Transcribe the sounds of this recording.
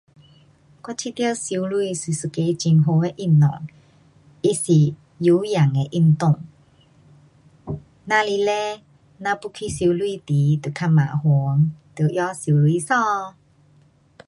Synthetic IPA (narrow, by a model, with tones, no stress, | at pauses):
kwa˧˥t͡ɕʰi˧˨t̪jə˥˧˨wsi˧˦lu˧i˧˨swi˧˨su˨˧˩ke˧t͡ɕi˧ŋɦo˧e˧ʔi˧˩˨mnɔ̰˨ŋ | ʔi˧si˨ | ju˨˦ja˨˩ŋe˨ʔi˧˩˨nt̪ʊ˥˧˨ŋ | na˧li˧lɛ˦ | na˧pu˧˦kʰi˧˥si˧˦lwi˧˥˧t̪i˨˦t̪u˨kʰa˧ma̰˨hu˨˦ŋt̪ɨ˨˩˨ʔjɔ˦si˧˦lwi˧˨sɔ̃˥˧